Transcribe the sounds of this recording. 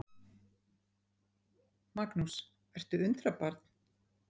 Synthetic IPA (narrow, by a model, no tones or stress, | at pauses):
maknus | vɛr̥t̪ʏʏnt̪ɾapaɾt̪n